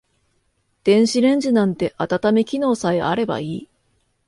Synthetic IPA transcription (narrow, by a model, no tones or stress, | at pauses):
d̪̥ẽ̞ɰ̃ɕiɾẽ̞ɲ̟d͡ʑinãnt̪e̞ʔat̪at̪ame̞kʲino̞ːsaea̰ɾe̞ba̰iː